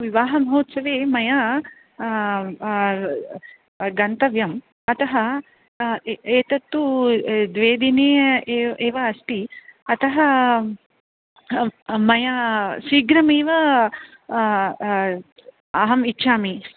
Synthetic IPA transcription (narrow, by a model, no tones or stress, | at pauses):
ʋiʋaːɦɐmɐɦoːt̪sɐʋeːmɐja | ɡɐnt̪ɐʋjɐm | ɐt̪ɐɦɐ | eːt̪ɐt̪ːud̪ʋeːd̪ineːeːeːʋɐːst̪iɐt̪ɐɦɐ | mɐjasiːɡɾɐmeːʋɐ | ɐɦɐmitːʃaːmi